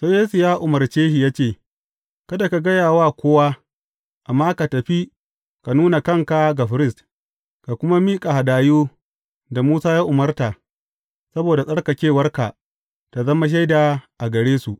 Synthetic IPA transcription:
soː˦jeː˦su˨jaː˦ʔʊ˨mɐ˨rt͡ʃeː˦hi˨jaː˦t͡ʃeː˦˨ | kɐ˦da˨ka˨ɡɐ˦jaː˨waː˦kʷoː˦waː˦ | ʔa˨mːaː˦ka˨tɐ˨ɸi˦ | ka˨nuː˦na˨kɐ˦˨ŋka˦ɡa˨ɸɪ˦ɾɪ˦˨st | ka˨kʷʊ˦ma˦miː˦kʼa˨ha˨daː˨juː˦ | da˨muː˦saː˦jaː˦ʔʊ˨mɐ˦rta˨ | sɐ˦boː˨da˨sʼɐ˦ɽka˨kʲeː˦˨wɐ˦rka˨ | ta˨zɐ˦ma˦ʃ̬a˦jda˨ʔa˨ɡɐ˨ɽeː˦su˨ʔ

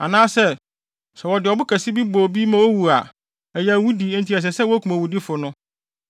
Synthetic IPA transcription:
a̰˨nãː˦sɛ˦˨ | sɛ˨wɔ˨dɪ˨ɔ˨bʊ˦kʰæ˨si˦bi˦bo˨bi˦mã˨wo˦wu˨a˨ | ɛ˨jæ˨wu˦di˨˦n̩˨tʰi˨˦ɛ˨s̬ɛ˨sɛ˦wɔ˦kʰu˨mã˨wu˨di˦fʊ˨nʊ̃˦

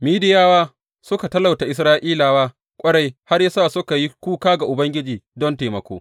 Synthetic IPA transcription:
miː˦dɪ˦jaː˦waː˦ | sʊ˦ka˨tɐ˦la˨wta˨ʔɪ˨˦s̬ɾaː˦ʔiː˦laː˨waː˦ | kʷʼɐ˦ɽa˨jha˦rja˦saː˦˨sʊ˦ka˨ji˦kʷuː˦kaː˦ɡa˨ʔʊ˨bɐ˦ŋɡʲɪ˦d͡ʒiː˨dɔ˦nteː˨mɐ˨kʷo̰ː˦

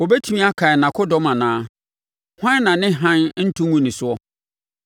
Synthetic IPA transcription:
wo˨bɛ˦tʰi˦mĩ˦a˦kʰa˨nã˨kʰʊ˦dɔ˦mã˨nãː˨˦ | hã˦nːã˨nɪ̃˦ɦã˦n˦n̩˦tʰũ˦ŋũ˦nĩ˨sʊ˦ɔ˦

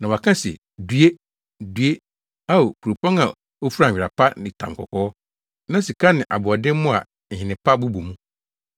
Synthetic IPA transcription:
nã˨wa˨kʰã˦sɛ̰˨ | du˦e˦ | du˦e˦ | a˦o˨kʰu˨o˨pʰɔ̃˦na̰˨ | o˦fu˦ɾa˨ɥɪ˨ɾa˨pʰa˦nɪ̃˨tʰã̰˨m˨kʰɔ̰˨kʰɔː˦ɔ˦ | nã˦si˨kʰa˦nɪ̃˨ʔa˨bʊ˨ɔ˨dɪ̃˦m˦mʊ̃˦a̰˨ | n̩˨ɦɪ̃˨nɪ̃˨pʰa˦bu˦bu˨mũ˦

